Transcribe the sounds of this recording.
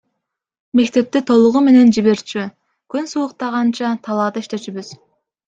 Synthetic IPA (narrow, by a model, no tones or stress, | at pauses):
me̞kt̪e̞p̚t̪it̪ʰo̞lˠuʁume̞ne̞nd͡ʒiβe̞ɾt͡ʃy | kynsuːq̚t̪ɑʁɑnt͡ʃɑt̪ʰɑlˠɑːd̪ɯiʃt̪e̞ʃyβyz̥